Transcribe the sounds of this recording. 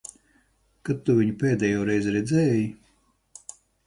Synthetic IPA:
kat̪ːuvʲiɲupeːd̪ɛjoːɾɛjzɾɛd̪zɛːji

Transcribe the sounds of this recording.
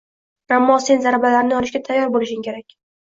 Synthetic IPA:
amːɒse̞nzaɾabalaɾnɪjɒɾɪʃɡʲat̪ʰajːɒɾbolɪʃɪŋkʲe̞ɾakʲ

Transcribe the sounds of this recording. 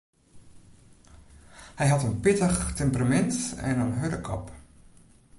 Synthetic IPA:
hɛjɦatənpɪtəxtʰɛmpramɛntɛ̰nənɦødəkʰɔ̰p

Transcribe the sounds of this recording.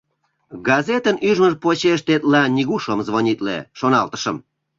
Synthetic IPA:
ɡɑzet̪ənyʒməʒpot͡ɕeʃt̪et̪lɑnʲiɣuʃəmzβonʲit̪lḛʃonɑlt̪ə̥ʃəm

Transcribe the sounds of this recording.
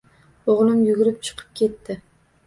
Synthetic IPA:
oʁlˠɪmjʊɡʲɪɾɪpt͡ʃʰɨ̥qʰɨ̥p̚kʲʰe̞t̪ːɪ

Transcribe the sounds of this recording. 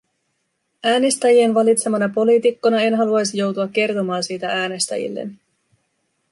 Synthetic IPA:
æːnest̪æjie̞nʋɑlit̪se̞mɑnɑpo̞liːt̪ikːo̞nɑe̞nɦɑluɑjsijo̞wt̪uɑk̟ːe̞rt̪o̞mɑːnsiːt̪ææːne̞st̪æ̰jḭlːḛn

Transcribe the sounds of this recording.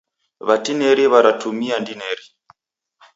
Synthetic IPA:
βatinɛɾiβaɾatʰumiandinɛɾi

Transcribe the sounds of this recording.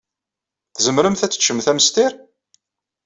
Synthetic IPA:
θzəmɾəmθæt͡sːə̥t͡ʃːəmθæməst̪ɪɾ

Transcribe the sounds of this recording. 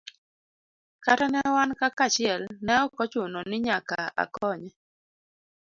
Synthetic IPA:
katanɛwankakat͡ʃɪɛlnɛɔkɔt͡ʃʊnɔnɪɲakaa̰kɔɲɛ

